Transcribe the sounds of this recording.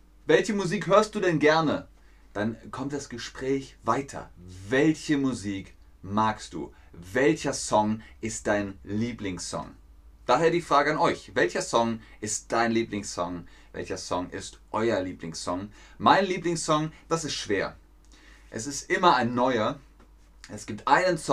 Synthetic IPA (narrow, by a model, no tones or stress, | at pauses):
vɛlçəmuziːkhøːɐst̚d̥uːdɛnɡɛɐnə | d̥ankʰɔmt̚d̥asɡ̥əʃpʁ̥ɛːçv̥aɪtʰɐ̰vɛlçəmuziːk | maɐkst̚d̥ṵː | vɛlçɐsɔŋʔɪst̚d̥aɪnliːplɪŋssɔ̰ŋ | d̥aːɦeːɐdiːfʁ̥aːɡəanɔʏçvɛlçɐsɔŋʔɪst̚d̥aɪnliːplɪŋsɔŋ | vɛ̰lçɐsɔŋʔɪ̰stʔɔʏɐliːplɪ̰ŋssɔŋ | maɪnliːplɪŋsɔŋd̥asɪstʃv̥eːɐ | ʔɛ̰sɪstʔɪmɐaɪnːɔʏɐ | ʔɛsɡ̥iːp̚tʔaɪnənsɔ